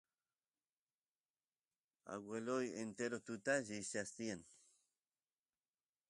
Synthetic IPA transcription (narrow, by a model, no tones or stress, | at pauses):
a̰ɡwelojent̪eɾot̪ut̪aʝiseast̪ien